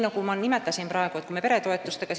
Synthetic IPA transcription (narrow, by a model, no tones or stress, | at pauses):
nokumɑnnimætt̪ːæsimprɑekoet̪kumepeɾet̪oet̪ːust̪ekɑs